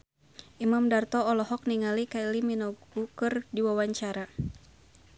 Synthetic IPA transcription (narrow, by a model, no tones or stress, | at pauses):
ʔimamdart̪ɔːlɔhɔk̚niŋalikailiminɔɡukɨrdiwawaɲt͡ʃaɾa